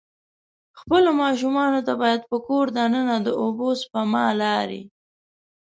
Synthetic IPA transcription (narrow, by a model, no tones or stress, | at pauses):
xpəlomɑʃ̬umɑnot̪abɑjad̪̚pəkoɾd̪anənad̪əʔobospamɑlɑɾḭ